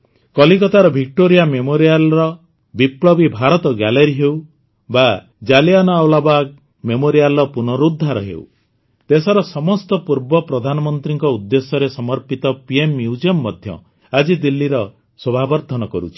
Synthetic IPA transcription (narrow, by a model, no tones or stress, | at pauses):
kɔlikɔt̪aɾɔbʱik̚ʈoɾijamemoɾijalɾɔ | bipɭɔbibʱaɾɔt̪ɔɡaleɾiɦew | ba | d͡ʒalijanɔawlabaɡ̚ | memoɾijalɔpunɔɾuud̪ʱːaɾɔɦḛu | t̪esɔɾɔsɔmɔst̪ɔpuɾbɔpɾɔd̪ʱanɔmɔnt̪ɾiŋkɔud̪ːesɔɾesɔmɔɾpit̪ɔpiemːjud͡ʒiɔmːɔd̪ʱjɔ̰ | ad͡ʒid̪ilːiɾɔ | sobʱabɔɾd̪ʱɔnɔkɔɾṵt͡ʃʰi̥